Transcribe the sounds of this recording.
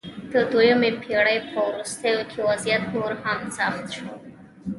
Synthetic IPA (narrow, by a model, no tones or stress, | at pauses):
d̪̥əd̪ojomepʰeɽajpʰəwɾust̪ajokʰewazjat̪noɾhamsaxt̪ʃo